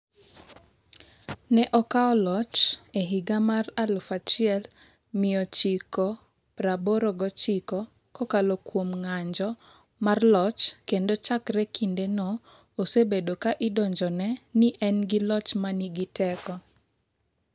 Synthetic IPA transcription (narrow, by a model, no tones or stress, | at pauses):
nɛʔɔkaɔlɔt͡ʃeɦiɡamaralfat͡ʃɪɛl | mɪɔt͡ʃikɔ | pɾaboɾɔɡɔt͡ʃikɔ | kɔkalokwomŋaɲd͡ʒɔ | marlɔt͡ʃkendot͡ʃakɾɛkindenɔ | osebedokaʔɪdɔɲd͡ʒɔnɛnɪʔɛnɡɪlɔt͡ʃmaniɡɪtɛkɔ